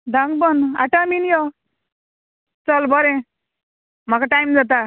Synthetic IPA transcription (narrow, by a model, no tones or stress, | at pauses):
d̪ãŋɡbəna̰ʈaminjɔ | t͡səlbʌɾẽ | m̤akaʈajmd͡zat̪̬a